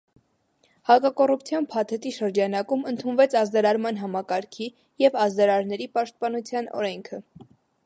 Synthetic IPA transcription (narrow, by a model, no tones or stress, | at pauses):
hɑkɑkɔrupt͡sʰjɑnpʰɑt̪ʰɛt̪iʃəɾd͡ʒɑnɑkumənt̪ʰunvɛt͡sʰɑzd̪ɑɾɑɾmɑnɦɑmɑkɑɾkʰi | jɛvɑzd̪ɑɾɑɾnɛɾipɑʃt̪̚pɑnut͡sʰjɑnɔ̰ɾɛŋkʰə